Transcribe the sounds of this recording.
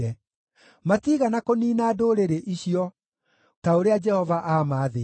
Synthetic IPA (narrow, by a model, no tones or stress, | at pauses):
ɛ | matiːɣanakoniːnaːdoːɾeɾeʔiɕiɔ | taoɾead͡ʒɛhɔvaʔaːmaːðe